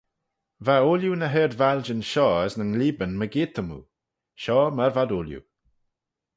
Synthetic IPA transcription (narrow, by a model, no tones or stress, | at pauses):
vaoːljunəɦɛɹd̪vald͡ʒənʃɔːəsnəŋliːbənməɡiːt̪ʰəmṵː | ʃɔːməvad̪oːljṵ